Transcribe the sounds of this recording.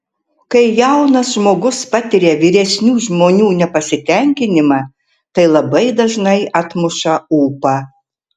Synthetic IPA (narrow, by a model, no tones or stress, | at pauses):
kɐɪjɛʊnɐsʒmoːɡʊspɐt̪ʲɪɾʲeːʋʲiːɾʲɛsʲnʲuːʒmoːnʲuːnʲɛpɐsʲɪt̪ʲɛŋʲkʲɪnʲɪmɑː | t̪ɐɪlˠɐbɐɪd̪ɐʒnɐɪɐt̪mʊʃɐuːpɑː